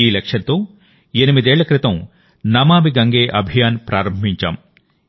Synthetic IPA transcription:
iːlɐkʂɐnt̪oː | enimid̪eːɭːɐkɾɪt̪ɐ̃m | nɐmaːmiɡɐŋɡeːʔɐbʱijaːnpɾaːɾɐmbʱiɲt͡ʃa̰ːm

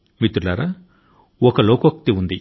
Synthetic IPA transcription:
mit̪uɾlaːɾaː | ɔkɐloːkok̚t̪iund̪i

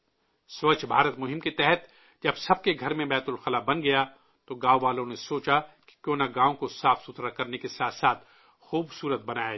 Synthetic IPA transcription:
sʋɐt͡ʃbʱaːɾət̪mʊɦɪ̃mket̪ɛɦɛt̪ | d͡ʒɐbsɐb̚keɡʱɐɾmẽbɛːt̪ʊlxɐlabɐnɡɐja | t̪oɡaːoʋaːlõnesoːt͡ʃake̥kjoːnaɡaːõkosaːfsʊt̪ɾakɐɾnekesaːt̪saːt̪ʰ | xuːbsuːɾət̪̚bɐnaːja

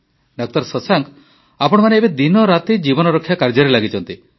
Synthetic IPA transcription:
ɖak̚t̪ɔɾsɔsaŋk | apɔɽ̃ɔmaneːbed̪inɔɾat̪id͡ʒibɔnɔɾɔkʰːjakaɾd͡ʒɔɾelaɡit͡ʃʰɔnt̪i

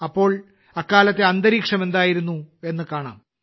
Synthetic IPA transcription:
ɐpːo̞ːɭ | ɐkːaːlɐt̪ːe̞ɐnd̪ɐɾiːkʂɐme̞nd̪aːjiɾunːue̞nːɨkaːɳa̰ːm

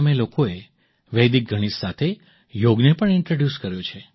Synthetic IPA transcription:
melokoe | ʋɛjd̪ik̚ɡʱəɽ̃isːat̪ʰe | joɡnepəɳɪɳʈɾoɖjuskəɾjot͡ʃʰe

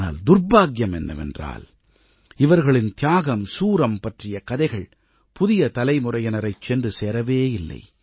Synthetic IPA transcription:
na̰ːld̪ʊrbaːɡjɐmɛnːɐ̰ʋɛ̰ndra̰ːl | ɪʋɐɾɣɐɭɪnt̪ɪjaːɣɐmsuːɾɐmpɐʈrɪjɐkɐðɐɪɣɐɭ | pʊðɪjɐt̪ɐlɐɪmʊrɐjɐnɐɾɐɪt͡ʃːɛndrɯseːɾɐʋeːɪlːɐ̰ɪ

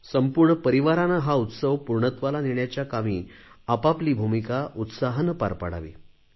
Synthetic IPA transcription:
səmpuɾɳəpəɾiʋaɾanaɦaut̪səʋpuɾɳət̪ʋalaniɭɳjat͡ɕjakamiː | apapliːbʱumikaʔut̪saɦənəpa̰ɾpa̰ɽa̰ʋḭ

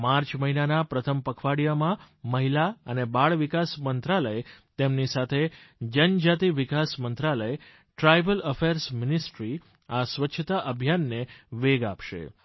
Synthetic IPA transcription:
maɾt͡ʃməɦinanapɾət̪ʰəmpəkʰʋaɽijamã | məɦilaənebaɭʋikasmənt̪ɾaləet̪emnisat̪ʰed͡ʒənd͡ʒat̪iʋikasmənt̪ɾaləe | ʈɾajbələfeɾsmɪnisʈɾi | asʋətːʃʰət̪aʔəbʱjanːeʋeɡapʃḛ

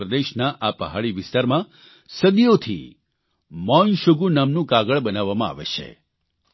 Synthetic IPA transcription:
ɾəd̪eʃnaʔapə̰ɦaɭiʋɪst̪aɾmã | səd̪ijot̪ʰḭ | mɔnʃoɡunamnũkaɡəɭbənaʋːamãa̰ʋḛt͡ʃʰḛ

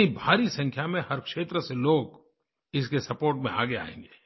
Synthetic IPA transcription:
ibʱaːɾisɐ̃ŋkʰjamẽhɐɾkʃeːt̪ɾəseloːɡ | ɪskesɐpoːɾʈmẽa̰ːɡea̰ːḛ̃ːŋ̆ɡeː

